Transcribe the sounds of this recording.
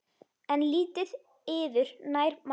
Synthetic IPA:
ɛnliːt̪ɪð | ɪːvɪɾnaːjɾm

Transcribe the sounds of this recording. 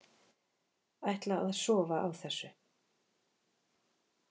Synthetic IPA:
ajht̪laa̰ððsɔːvaʔawθɛsːʏ

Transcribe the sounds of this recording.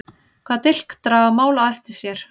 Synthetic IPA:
kʰvaːt̪ɪl̥kt̪ɾaːðamaːwlaajft̪ɪsjɛɾ̥

